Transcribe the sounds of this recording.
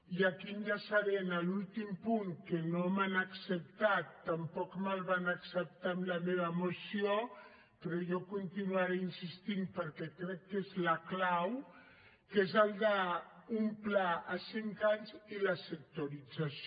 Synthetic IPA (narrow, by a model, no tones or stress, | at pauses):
iakinʒasaɾenalult̪impuŋkenomanaksəp̚t̪at̪ːampɔkmalβanaksəp̚t̪amlameβ̞əmosio | pɾɔjɔkunt̪inuaɾeinsist̪impəɾkɛkɾɛkːezlaklaw | kezald̪aumplaasiŋkaɲzilasek̚t̪oɾid͡zas